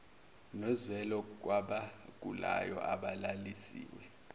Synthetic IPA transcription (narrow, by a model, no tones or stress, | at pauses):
nɔzwɛlɔk̬waɓak̬ʼula̰jɔ̰ʔaɓalalisḭːwɛ